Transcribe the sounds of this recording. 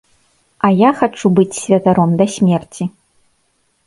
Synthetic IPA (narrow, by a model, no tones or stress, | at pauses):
ajaxat͡ʂubɨt͡sʲsʲvʲɐt̪aɾɔmd̪ɐsʲmʲɛrt͡sʲi